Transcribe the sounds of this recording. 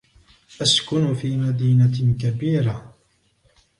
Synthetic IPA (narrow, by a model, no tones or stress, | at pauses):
ʔaskʊnfiːmad̪iːnakabiːɾa